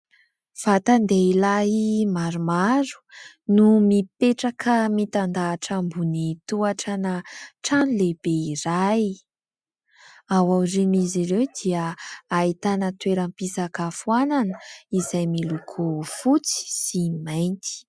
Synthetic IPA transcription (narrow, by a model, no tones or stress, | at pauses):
fat̪and̪eilaɦimaɾumaɾu̥ | numipeʈ͡ʂakʰəmit̪and̪aːʈ͡ʂambunit̪uaʈ͡ʂanəʈ͡ʂanuleb̥eiɾaj | awawɾinizirewd̪iəait̪anət̪weɾəmpisakafuananəizajmilukʰofut͡si̥simajnt̪i̥